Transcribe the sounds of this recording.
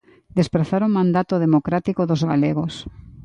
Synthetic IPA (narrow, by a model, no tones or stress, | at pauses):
d̪espɾaθaɾomãnd̪at̪oðemokɾat̪ikoðozɣaleɣos